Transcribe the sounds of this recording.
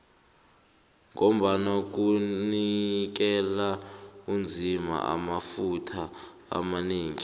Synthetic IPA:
ŋom̩ɓanok̬unik̬ɛlaund͡zʱima̰a̰mafutʰa | a̰maniːŋi

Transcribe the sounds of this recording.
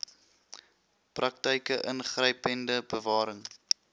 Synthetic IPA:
prɐk̚təjkəʔənχrəjpəndəbəvɑːɾəŋ

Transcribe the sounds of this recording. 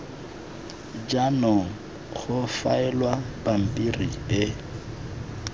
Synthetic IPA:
d͡ʒanɔ | χʊfaɛlwapam̩pʼirḭɪ

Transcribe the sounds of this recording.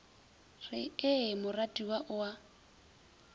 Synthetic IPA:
rɪɪmʊratʼiwaʔʊa

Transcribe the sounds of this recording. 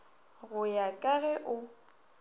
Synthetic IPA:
ɣʊjakʼaɣɛʔʊ

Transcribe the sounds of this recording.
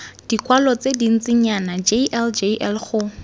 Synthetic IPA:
d̥ikwalɔt͡sedin̩t͡sɪɲanad͡ʒeʔɛld͡ʒeʔɛlχʊ

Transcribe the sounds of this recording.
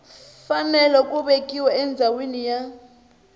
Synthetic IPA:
fanɛlɔkʼuɓekʼiwaɛnd͡zʱawenija

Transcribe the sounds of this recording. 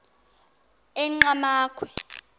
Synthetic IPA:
ɛŋ͡ǃamaːkʰwɛ

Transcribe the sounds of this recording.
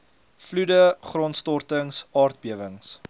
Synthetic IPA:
fludəχrɔntstɔrtəŋsɑːrt̚biəvəŋs

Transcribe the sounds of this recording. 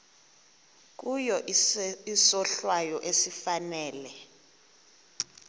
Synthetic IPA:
k̬ujɔ | isɔɬwajɔʔesifanɛːlɛ

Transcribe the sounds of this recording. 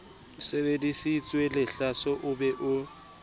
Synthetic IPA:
sebedisit͡sʼwɛlɪɬasɔʔʊbɛʔʊ

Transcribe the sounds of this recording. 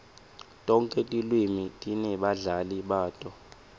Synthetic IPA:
tʼɔŋkʼɛtʼilwimitʼinɛɓaɮaliɓaːtʼɔ

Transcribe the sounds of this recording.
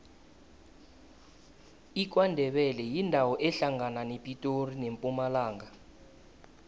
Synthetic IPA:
ik̬wandʱɛɓɛlɛjindʱawɔʔɛɬaŋananepʼitʼorinempʼumalaːŋɡa

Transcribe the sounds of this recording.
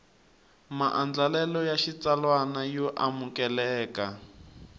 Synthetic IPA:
maʔand͡ɮalɛlɔjaʃit͡salwanajɔʔamukɛlɛːka

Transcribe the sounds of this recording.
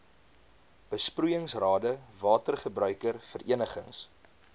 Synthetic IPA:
b̥əsprujəŋsrɑːdəvɑːtərχəbrœɥkərfərʔḭənəχə̰ŋs

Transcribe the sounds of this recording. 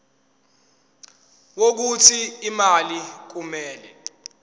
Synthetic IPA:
wok̬utʰiːmalik̬umɛːlɛ

